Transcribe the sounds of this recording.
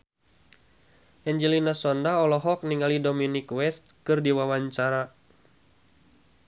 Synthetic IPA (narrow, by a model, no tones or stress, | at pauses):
ʔɛɲd͡ʒɛlinasɔndaɔlɔɦɔk̚niŋalidominikwɛst̪̚kɨrdiwawaɲt͡ʃaɾa